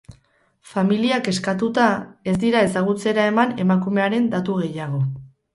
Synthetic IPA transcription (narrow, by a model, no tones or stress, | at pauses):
familiake̞skat̪ut̪ae̞zd̪iɾae̞saɣ̞ut͡se̞ɾae̞mane̞makume̞aɾe̞nd̪at̪uɣ̞e̞jaɣ̞o̞